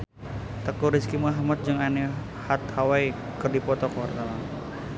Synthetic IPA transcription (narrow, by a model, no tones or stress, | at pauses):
t̪əkuɾiskimaɦamat̪̚d͡ʒɨŋani | hat̪̚hawai | kɨrdipɔt̪ɔkɔwart̪alan